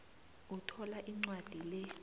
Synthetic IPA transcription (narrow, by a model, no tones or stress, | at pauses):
utʰɔlaʔiŋ͡ǀwad̥ʱilɛ